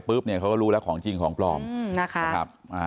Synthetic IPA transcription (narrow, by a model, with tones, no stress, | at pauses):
pɯː˦˥˩p̚ni˥˩ɐkʰa˦˥wkɔː˥˩ɾuː˦˥lɛ˦˥wkʰɔː˩˦ŋt͡ɕi˧ŋkʰɔː˩˦ŋplɔː˧mna˦˥˩kʰa˦kʰa̰˦˥p̚ʔaː˧˩